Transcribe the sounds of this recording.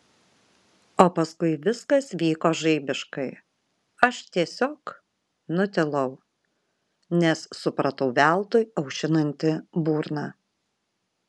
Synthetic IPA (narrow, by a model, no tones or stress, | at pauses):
oːpɐskʊɪʋʲɪskɐsʋʲiːkoːʒɐɪbʲɪʃkɐɪ | ɐʃt̪ʲiɛsʲoːk | nʊt̪ʲɪlˠɐʊ | nʲɛssʊpɾɐt̪ɐʊʋʲæˑlˠt̪oːjɐʊʃʲɪnɐnʲt̪ʲɪbuːɾnɑː